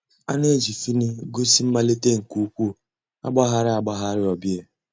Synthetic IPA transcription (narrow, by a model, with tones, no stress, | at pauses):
a˦ne˦d͡ʒi˨fi˦ni˦ɡo˦si˦m̩˦ma˦le˦te˦ŋ̩˨ku˨u˦kʷu˦˨ | a̰˦ɡ͡ba˦ɦa˦ɾɪ˦a˨ɡ͡ba˦ɦa˦ɾɪ˦ɔ˨bi˦e˨